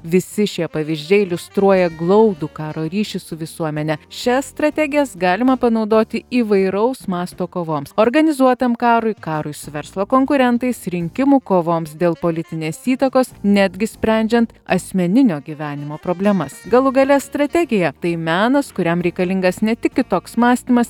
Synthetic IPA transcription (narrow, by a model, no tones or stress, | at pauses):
ʋʲɪsʲɪʃʲiɛpɐʋʲizʲd͡ʒʲɛɪɪlʲʊst̪ɾuɔjɛɡlˠɐʊd̪uːkɑːɾoːɾʲiːʃʲɪsʊʋʲɪsuɔmʲɛnʲɛʃʲɛsst̪ɾɐt̪ʲɛɡʲɪjɛsɡɑːlʲɪmɐpɐnɒʊd̪oːt̪ʲɪiːʋɐɪɾɐʊsmɑːst̪oːkoːʋoːmsoːɾɡɐnʲɪzuɔt̪ɐmkɑːɾʊɪkɑːɾʊɪsʊʋʲɛɾslˠɐkoːŋkʊɾʲɛnt̪ɐɪsɾʲɪŋʲkʲɪmuːkoːʋoːmsd̪ʲeːlˠpoːlʲɪt̪ʲɪnʲeːsiːt̪ɐkoːsnʲæːd̪ʲɡʲɪsʲpʲɾʲæˑnʲd͡ʒʲɛnt̪ɐ̰sʲmʲɛnʲɪnʲoːɡʲiʋʲæːnʲɪmoːpɾoːbʲlʲɛmɐsɡɐlˠʊɡɐlʲɛst̪ɾɐt̪ʲæɡʲɪjɛt̪ɐɪmʲæːnɐskʊɾʲɛmɾʲɛɪkɐlʲɪŋɡɐsnʲɛt̪ʲɪkʲkʲɪt̪oːksmɑːsʲt̪ʲiːmɐs